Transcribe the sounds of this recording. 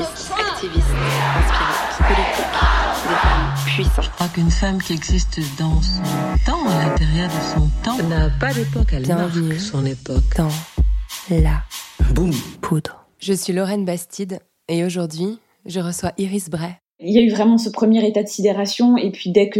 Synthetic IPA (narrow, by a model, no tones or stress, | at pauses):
akt̪ʰivismɛspiispɔlit̪ikd̪efampɥisɑ̃ʒəkχwakynfamkʲiɛɡzist̪d̪ɑ̃sɔ̃t̪ɑ̃alɛ̃t̪ɛʁjɛʁd̪əsɔ̃t̪ɑ̃napad̪epɔkɛljmɛ̃vnysɔ̃nepɔkt̪ɑ̃ | labupʰud̪ʁ | ʒəsɥilɔʁɛnbast̪ʰid̪ | eoʒuʁd̪ɥi | ʒəʁəswaʔiʁisbʁɛ | iljayvʁɛmɑ̃səpχəmjɛʁet̪ad̪əsid̪eʁasjɔ̃epɥid̪ɛk